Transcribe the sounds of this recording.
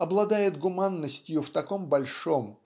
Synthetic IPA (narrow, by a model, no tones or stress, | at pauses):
ɐblˠɐd̪ajɪt̪ɡʊmanːəsʲtʲjʊft̪ɐkombɐlʲʂom